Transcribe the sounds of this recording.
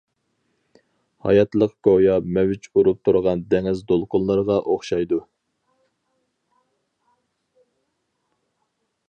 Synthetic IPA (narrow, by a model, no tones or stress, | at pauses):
hɑ̰jɑt̪lˠəqɡojɑmɛwɪt͡ʃuɾup̚t̪ʰuɾʁɑnd̪ɛŋɪzd̪olˠqʰʊnlˠəɾʁɑʔoχʃɑjd̪u